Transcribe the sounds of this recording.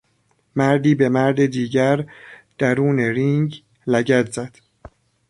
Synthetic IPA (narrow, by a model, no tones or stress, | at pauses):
mæɾd̪iːbe̞mæɾd̪ed̪iːɟæɾd̪̥æɾuːneɾiŋɟ | læɟæt̪zæd̪̥